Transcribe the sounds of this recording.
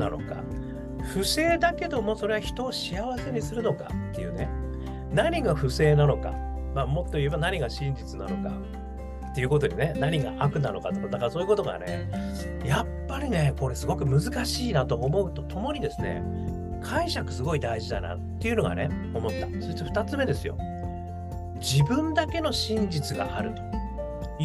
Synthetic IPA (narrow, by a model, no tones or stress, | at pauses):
nano̞̰ka̰ | ɸɯ̟se̞ːd̪ake̞d̪o̞mo̞so̞ɾe̞açi̥t̪o̞ːɕiaβase̞ɲ̟isɨɾɯ̟no̞ka̰t̪ːe̞jɯ̟ːne | naɲ̟iɡaɸɯ̟se̞ːnano̞ka̰ | maːmo̞t̪ːo̞ie̞banaɲ̟iɡaɕĩɲ̟d͡ʑit͡sɨna̰no̞ka̰ | t̪ːe̞jiɯ̟ko̞t̪o̞ɲʲine̞naɲ̟iɡa̰ʔakɯ̟nano̞kat̪okad̪akaaso̞ːiɯ̟ko̞t̪o̞ɡa̰nḛ | japːaɾʲine̞ko̞ɾe̞sɨɡo̞kɯ̟mɯ̟zɨkaɕiːnat̪o̞ʔːmo̞ɯ̟t̪o̞t̪ʰo̞mo̞ɲ̟id̪e̞sɨne̞̰ | kʰaiɕakɯ̟̥sɨɡo̞id̪aiʑid̪a̰na̰tt̪ːe̞iɯ̟no̞ɡa̰nḛ | o̞mo̞t̪ːaso̞ɾit̪ːoɸɯ̥t̪at͡sɨme̞d̪e̞sɨjo̞̰ | d͡ʑibɯ̟̃nd̪ake̞no̞ɕĩɲ̟d͡ʑit͡sɨɡa̰ʔaɾɯ̟t̪o̥